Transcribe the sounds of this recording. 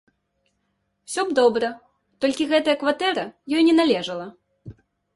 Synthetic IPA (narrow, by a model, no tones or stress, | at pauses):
wsʲɔbd̪ɔbɾɐ | t̪ɔlʲkʲiɣɛt̪ɐjɐkvat̪ɛɾɐjɔjnʲɛnalʲɛʐɐlˠɐ